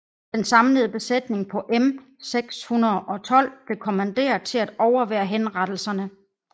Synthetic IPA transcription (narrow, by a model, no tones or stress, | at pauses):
d̥ensɑ̈mləðˠb̥e̝sed̥ne̝ŋpʰɒ̽ʔem | seɡ̥shunɐðˠʔɒ̽t͡sʰɒ̽l̰b̥le̝kʰo̝mænd̥e̝̰ːɐðˠt͡sʰe̝læd̥ɒʊɐʋæ̰ːɐɦenʁɑd̥l̩sɐnə